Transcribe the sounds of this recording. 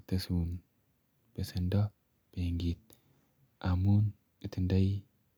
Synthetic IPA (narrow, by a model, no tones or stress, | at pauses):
t̪ɐsun | b̥esɐnd̪a | b̥eŋɡit̪̚ | ʔamun | ɨt̪ʰɨnd̪aj